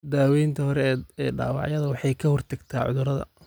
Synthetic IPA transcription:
d̪aːwɛjnt̪ʰɐhɔɾɛɛːɖa̰ːwɑ̰ʕjɐðɐwɑħɑjkʰɐhɔrt̪ʰɐɡt̪ʰaːʕʊ̰ðʊɾɐðɐ̰

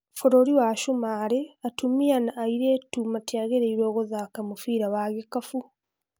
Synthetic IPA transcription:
foɾoɾiwaʃumaːɾeatumianaːiɾetuːmatjaɣeɾeiɾoːɣozakamufiːɾawaɣekafu

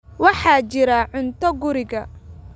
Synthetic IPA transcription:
wɑħɑːt͡ʃɪɾɐʕʊnt̪ʰɔɡʊɾɪɣɐ

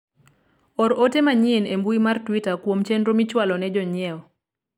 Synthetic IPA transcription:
ɔɾotemaɲinembuimartwitakwomt͡ʃɛndɾomit͡ʃwalɔnɛd͡ʒɔɲɪɛɔ

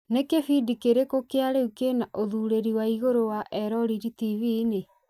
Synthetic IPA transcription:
nekefidikeɾekokeaɾeukenaʔoðuɾeɾiwaiɣoɾowaʔɛɾɔɾiɾitivine

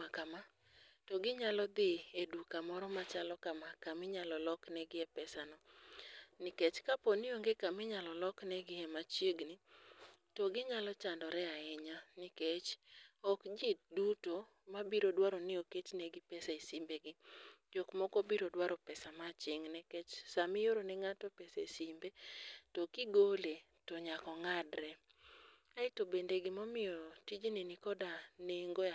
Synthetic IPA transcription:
akama | tɔɡɪɲalɔd̪ɪedukamɔɾɔmat͡ʃalɔkamakamɪɲalɔlɔknɛɡɪɛpɛsanɔ | nɪket͡ʃkaponɪoŋɡekamɪɲalɔlɔknɛɡɪɛmat͡ʃjeɡnɪ | tɔɡɪɲalɔt͡ʃandɔɾɛaɛɲanɪket͡ʃɔkd͡ʒiduto | mabiɾodwaɾonɪoket͡ʃnɛɡɪpɛsaisimbeɡɪd͡ʒokmɔkobiɾodwaɾɔpɛsamat͡ʃɪŋnɛkɛt͡ʃsamɪjoɾonɛŋatɔpɛsesimbetɔkɪɡole | tɔɲakɔŋadɾɛ | aɪtobendeɡɪmɔmɪjɔtid͡ʒninɪkɔdaneŋɡo

